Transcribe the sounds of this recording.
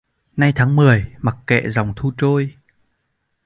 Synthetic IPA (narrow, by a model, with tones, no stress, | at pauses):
na˧jt̪ʰaː˨˦ŋmɨ˨˩əjma˨˩k̚kɛ̰˧˨za˨˩wŋ͡mt̪ʰu˧t͡ɕo˧j